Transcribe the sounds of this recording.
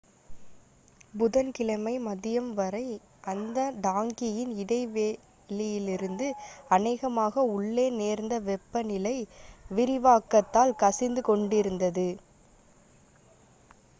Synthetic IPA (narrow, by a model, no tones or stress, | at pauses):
bʊðɐnkɪlɐmɐɪmɐðɪjɐmʋɐɾɐɪ | ʔɐnd̪ɐɖaːŋɡɪjɪnɪɽɐɪʋeː | lɪjɪlɪɾɯnd̪ɯɐnɐɪːɣɐmaːɣɐʊɭːeːneːɾnd̪ɐʋɛpːɐnɪlɐɪʋɪɾɪʋaːkːɐt̪ːaːlkɐsɪnd̪ɯkɔɳɖɪɾɯnd̪ɐðɯ